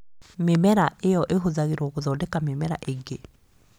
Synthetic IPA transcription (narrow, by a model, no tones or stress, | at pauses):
memɛɾaʔejɔʔeɦozaɣeɾoɣoðɔːdɛkamemɛɾa̰ʔeɡe